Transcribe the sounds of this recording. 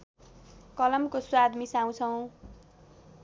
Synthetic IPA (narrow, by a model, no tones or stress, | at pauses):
kʌlʌmkoswad̪misaw̃t͡sʰʌw̃